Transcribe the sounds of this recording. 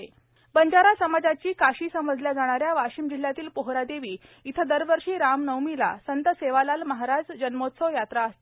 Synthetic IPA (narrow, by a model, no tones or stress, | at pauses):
e | bəɲd͡ʑaɾasəmad͡zat͡ɕiːkaɕiːsəməd͡zljad͡zaɽ̃aɾjaʋaɕiːmd͡ʑil̤ːjat̪iːlpoɦɾad̪eʋiː | it̪ʰəd̪əɾʋəɾʂiːɾamnəwmila̰sənt̪əseʋalalməɦaɾad͡zd͡ʑənmot̪sojat̪ɾaəst̪